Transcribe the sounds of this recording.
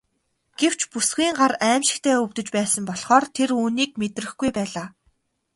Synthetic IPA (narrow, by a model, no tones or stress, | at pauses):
ɡ̥ew̥t͡ɕpusɡiːŋɢaræːmʃɪ̆kt̪ʰæːɵwt̪ɵ̆t͡ɕpæːsə̆mpɔɮχɔːrt̪ʰeɾuːniːk̚met̪rɘ̆xɡujpæːɮaː